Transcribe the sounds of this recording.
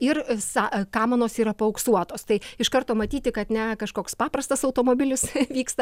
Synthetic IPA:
ɪrsɑkɑːmɐnoːsiːɾɐpɐoʊksuɔt̪oːst̪ɐɪɪʃkɐrt̪oːmɐt̪ʲiːt̪ʲɪkɐt̪nʲɛkɐʃkoːkspɑːpɾɐst̪ɐsɐʊt̪oːmoːbʲɪlʲɪsʋʲiːkst̪ɐ

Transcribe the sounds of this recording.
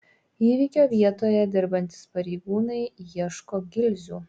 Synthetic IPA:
iːʋʲikʲoːʋʲiɛt̪oːjɛd̪ʲɪɾbɐnʲt̪ʲɪ̥spɐɾʲɛɪɡuːnɐɪjiɛʃkoːɡʲɪlʲzʲuː

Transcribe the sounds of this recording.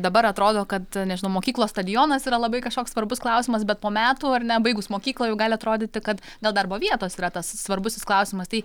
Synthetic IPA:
d̪ɐbɐɾɐt̪ɾoːd̪oːkɐt̪nʲɛʒʲɪnɐʊmoːkʲiːklˠoːst̪ɐd̪ʲɪjoːnɐsiːɾɐlˠɐbɐɪkɐʃkoːksʋɐrbʊsklˠɐʊsʲɪmɐsbʲɛt̪̚poːmʲæːt̪uːɐrnʲɛbɐɪɡʊsmoːkʲiːklˠoːjɛʊɡɑːlʲɪɐt̪ɾoːd̪ʲɪːt̪ʲɪkɐt̪ | ɡɐlˠd̪ɐrboːʋʲiɛt̪oːsiːɾɐt̪ɐssʋɐrbʊsʲɪsklˠɐʊsʲɪmɐst̪ɐɪ

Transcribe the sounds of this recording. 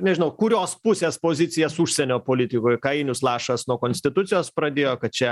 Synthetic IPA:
nʲɛʒʲɪnɐʊkʊɾʲoːspʊsʲeːspoːzʲɪt̪sʲɪjɛsʊʃʲsʲɛnʲoːpoːlʲɪt̪ʲɪkoːjkɐɪnʲʊslˠɑːʃɐsnuɔkoːnʲsʲt̪ʲɪt̪ʊt̪sʲɪjoːspɾɐd̪ʲeːjoːkɐt̪̚t͡ʃʲɛ

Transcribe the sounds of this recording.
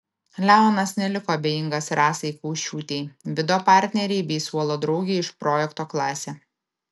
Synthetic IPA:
lʲæˑʊnɐsnʲɛlʲɪkoːɐbʲejɪŋɡɐsɾɑːsɐɪkɐʊʃʲt͡ʃʲuːt̪ʲɛɪʋʲɪd̪oːpɑˑɾʲt̪ʲnʲɛɾʲɛɪbʲɛɪsuɔlˠoːd̪ɾɒʊɡʲɛɪɪʃpɾoːjɛkt̪oːklˠɑːsʲɛ

